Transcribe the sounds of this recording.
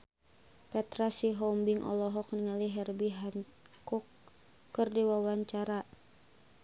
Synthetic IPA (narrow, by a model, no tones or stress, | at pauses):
pɛt̪ɾasiɦɔmbiŋʔɔ̰lɔɦɔk̚niŋaliɦɛrbiɦan | kukː | ɨrdiwawaɲt͡ʃaɾa